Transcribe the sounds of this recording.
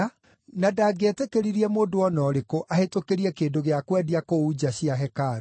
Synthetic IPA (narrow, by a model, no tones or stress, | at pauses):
nadaːɡetekeɾiɾiɛmoːndoɔnɔɾekoʔahetokeɾiɛkeːndoɣeakwɛdiakoud͡ʑaɕiaɦɛkaɾa